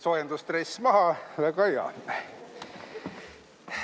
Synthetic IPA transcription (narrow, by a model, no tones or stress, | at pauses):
sojend̪ust̪rejsmɑɦɑlekɑjɑ̰